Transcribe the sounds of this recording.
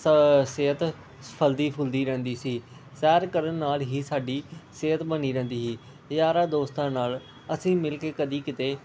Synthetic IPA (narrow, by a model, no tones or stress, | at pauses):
seːɦət̪ | sə̥pʰəld̪iːpʰʊld̪iːɾɛ̃ːnd̪iːsiː | sɛːɾkəɾənːaːlɦiːsaːɖiːseːɦət̪bəniːɾɛ̃ːnd̪iːɦiː | jaːɾaːd̪oːst̪ãːnaːl | əsĩːmɪlkeːkəd̪iːkɪt̪eː